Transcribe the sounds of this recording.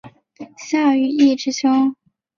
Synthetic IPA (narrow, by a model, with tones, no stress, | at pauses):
ɕjaɑ˥˩y˥˩˥i˥˩ʈ͡ʂɻ̩˥ɕʰʊ˥ŋ